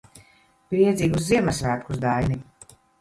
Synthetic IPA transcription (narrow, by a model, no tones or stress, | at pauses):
pɾiɛd̪zʲiːɡusziɛmasvæːɾkus̬d̪ajni